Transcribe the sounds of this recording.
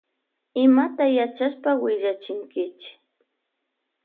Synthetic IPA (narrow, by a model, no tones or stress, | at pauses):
ɪmat̪ajat͡ʃaʃpawɪʒat͡ʃɪŋkɪt͡ʃɪ̥